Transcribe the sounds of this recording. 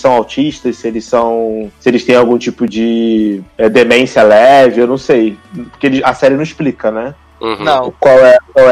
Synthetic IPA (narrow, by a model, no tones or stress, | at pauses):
sɐ̃w̃awt͡ʃiʃt̪ɐssɪelɪssɐ̃w̃sɪelɪst̪ẽj̃awɡũt͡ʃipʊd͡ʒɪ | ɛd̪emẽsiɐlɛvɪewnɐ̃w̃sejpo̥keelɪzɐsɛɾɪnɐ̃w̃isplikɐnɛ̃ | nɐ̃w̃kwawɛkwawɛ